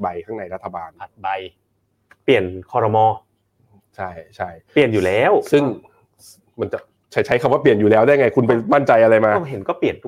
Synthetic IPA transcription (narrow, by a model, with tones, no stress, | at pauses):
ba˧jkʰaː˥˩na˧jɾa˦˥t̪ʰːa˧baː˧na˨˩t̪̚ba˧j | pi˨˩ənkʰɔː˧ɾɔ˧mɔː˧ | t͡ɕʰa˥˩jt͡ɕʰa˥˩jpli˨˩ənjuː˨˩lɛː˦˥wsɯ˥˩ŋ | ma˧nt͡ɕa˨˩ | t͡ɕʰa˧˩t͡ɕʰa˦˥jkʰa˧mwa˥˩pli˨˩ənjuː˨˩lɛː˦˥wdaː˥˩jŋa˧jkʰu˧np̬a˧jma˥˩nt͡ɕa˧jʔa˧ɾa˧jmaː˧ɔ˥˩ɦe˩˦nkɔː˥˩pli˨˩ən˧